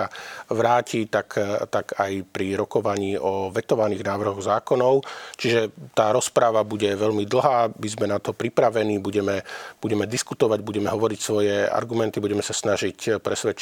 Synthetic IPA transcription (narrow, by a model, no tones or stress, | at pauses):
aʋɾaːcʰit̪akt̪akajpɾiɾɔkɔʋaɲiːʔɔʋɛt̪ɔʋaniːɣnaːʋr̩ɦɔɣzaːkɔnɔʊt͡ʃiʒɛt̪aːɾɔspɾaʋabuɟɛʋɛʎmid̪l̩ˠɦaːmizmɛnat̪ɔpɾipɾaʋɛniːbuɟɛmɛb̥uɟɛmɛd̪iskut̪ɔʋaɟbuɟɛmɛɦɔʋɔɾicsʋɔjɛa̰ɾɡumɛnt̪ibuɟɛmɛsasnaʒicpɾɛsʋɛt͡ʃ